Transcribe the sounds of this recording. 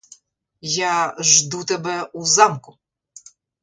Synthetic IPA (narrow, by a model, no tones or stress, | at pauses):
jaʒd̪ut̪ɛbɛuzɑmkʊ